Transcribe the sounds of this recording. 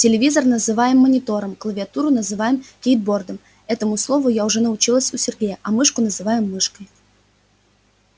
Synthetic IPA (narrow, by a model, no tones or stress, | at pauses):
tʲɪlʲɪvʲizərnəzɨvajɪmːənʲɪt̪o̞ɾəmklˠəvʲɪɐt̪uɾʊnəzɨvajɪmkʲejd̪̚bo̞rd̪əm | ɛt̪əmʊslˠo̞vʊjaʊʐɛnəʊt͡ɕilˠəsʲʊsʲɪrɡʲejəʔɐmɨʂkʊnəzɨvajɪmːɨʂkəj